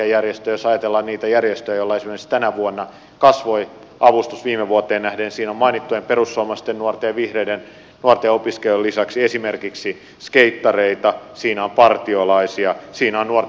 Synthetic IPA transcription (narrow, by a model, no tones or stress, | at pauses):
æjærjest̪øjosɑjɑt̪elːɑnniːt̪æjærjest̪øjæjolːɑesimerkist̪ænæʋuonːɑ | kɑsʋoi | ʔɑʋust̪usʋiːmeʋuot̪eːnæhdensiːnomɑinit̪ːuemperusːoɑːmɑst̪ennuort̪eɑʋihreiden | nuort̪eopiskelulːisɑksiesimerkiksi | skeit̪ːɑreit̪ɑsiːnæompɑrt̪iolɑisiɑsiːnæonnuor